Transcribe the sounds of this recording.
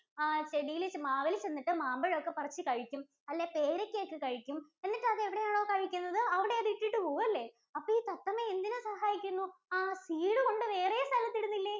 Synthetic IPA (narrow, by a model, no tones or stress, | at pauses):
aːt͡ɕeɽijilt͡ɕmaːʋɐlt͡ɕe̞nːiʈːɨmaːmbɐɻokːe̞pɐrɐt͡ɕːɨkɐɻikʲːum | ɐlːepe̞ːɾɐkʲːekːɨkɐɻikʲːume̞nːiʈːɐðɨeʋiɽe̞jaːɳoːkɐɻikʲːunːɐðɨɐʋiɽe̞ɐðɨiʈːiʈːɨpoːɐlːe̞ | ɐpːoːiːt̪ɐt̪ːɐmeend̪inɨsɐhaːjikʲːunːuaːsiːɽɨko̞ɳɖɨʋe̞ːrejɐst̪ʰɐlɐt̪ːiɽunːilːe